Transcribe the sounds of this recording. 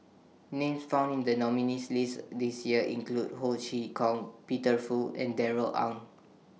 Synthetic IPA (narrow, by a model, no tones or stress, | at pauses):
nẽmsfãʊ̃ndĩndənɔminislisdisjiəʔḭ̃ŋklud̚hodʃikʰɔ̃ŋpitəfuɛ̰̃ndɛɹəlʔã̰ŋ